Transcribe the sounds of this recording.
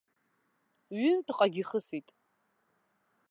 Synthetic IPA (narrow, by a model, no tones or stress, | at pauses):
ɥɪntʰɨqʼaɡʲiχəsitʼ